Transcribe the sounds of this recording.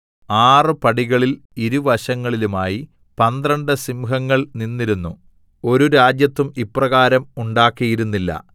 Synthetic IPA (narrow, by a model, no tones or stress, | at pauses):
aːrɨpɐɽiɣɐɭil | iɾuʋɐɕɐŋːɐɭilumaːji | pɐnd̪rɐɳɖɨsimuɦɐŋːɐɭninːiɾunːu | o̞ɾuɾaːd͡ʑjɐt̪ːumipːrɐɣaːɾɐmuɳɖaːkːijiɾunːilːɐ̰